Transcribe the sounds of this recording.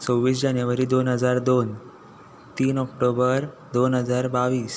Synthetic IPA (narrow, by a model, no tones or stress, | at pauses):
t͡sowʋiːs̬d͡ʑanjəʋəɾiːd̪onɦəd͡zaɾd̪on | t̪iːnɔk̚ʈobəɾ | d̪onɦəd͡zaɾbaʋiːs